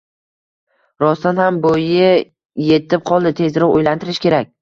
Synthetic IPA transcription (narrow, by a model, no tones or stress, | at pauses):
ɾɒst̪anhambojɪ | je̞t̪ʰɪp̚qʰɒlˠd̪ɪt̪ʰe̞zɾɒqojlant̪ʰɪɾɪʃkʲe̞ɾak̚ʲ